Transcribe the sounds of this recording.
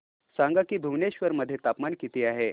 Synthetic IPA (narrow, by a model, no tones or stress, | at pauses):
saŋɡakiːbʱuʋneɕʋəɾməd̪ʱːjet̪apmaɳkit̪iːaɦe